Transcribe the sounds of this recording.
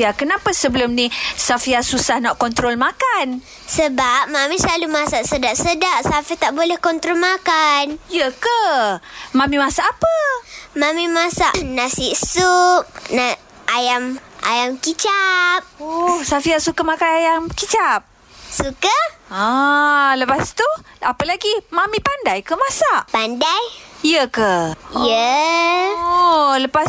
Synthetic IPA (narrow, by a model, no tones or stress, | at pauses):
iakənapasəbəlʊmnisafiasusahnaʔkɔnt̪ɾɔlmakan | səbap̚mamĩslalumasaʔsədaʔsədaʔsafit̪aʔbolɛhkɔnt̪ɾɔlmakanijəka | mãmimasaʔːpəmamimasaʔnasiʔsup̚naʔ | ajamʔa̰jamkit͡ʃap̚osafiaʔsukəmakanajamkit͡ʃap̚ | sukəaləpast̪uapəlaɡimamĩpandajkəmãsaʔpandajijəkəiə | ləpas